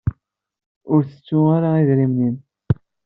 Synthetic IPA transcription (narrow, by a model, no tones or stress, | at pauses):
ʊɾθə̥t͡sːuaɾaiðɾimnin